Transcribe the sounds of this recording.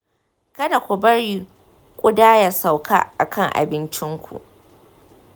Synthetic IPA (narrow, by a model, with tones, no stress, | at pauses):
kɐ˦da˨kʷu˨bɐ˦ɽi˨ | kʷʼʊ˦daː˦ja˨sa˨wkʰa̰ː˦ʔa˨kʰɐ˦˨ŋʔa̰˨bɪ˦nt͡ʃɪ˦ŋkʷʰṵ˨ʔ